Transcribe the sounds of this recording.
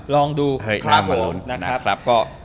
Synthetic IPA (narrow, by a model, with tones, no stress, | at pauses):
lɔː˧ŋduː˧hɤ˥˩jkʰaː˧˥˩mo˨˩˨nna˦˥na˦a˦˥kʰɾa˦˥p̚kɔː˥˩